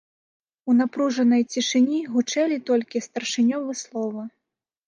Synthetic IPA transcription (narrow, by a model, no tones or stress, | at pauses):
unapɾuʐɐnɐjt͡sʲiʂɨnʲiɣut͡ʂɛlʲit̪ɔlʲkʲist̪ɐrʂɨnʲɔvɨslˠɔvɐ